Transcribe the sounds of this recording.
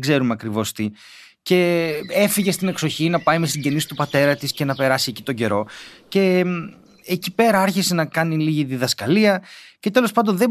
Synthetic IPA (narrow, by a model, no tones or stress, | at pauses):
ɡze̞ɾumɐkɾivo̞st̪i | ce̞e̞fiʝe̞st̪ine̞kso̞çinɐpɐjme̞st̪iɟe̞nisi̥t̪upɐt̪e̞ɾɐt̪isce̞nɐpe̞ɾɐsieci̥t̪o̞ɲɟe̞ɾo̞ce̞ | ecipe̞ɾɐɐɾçise̞nɐkɐniliʝiðiðɐskɐliɐce̞t̪elo̞spɐnd̪o̞nðe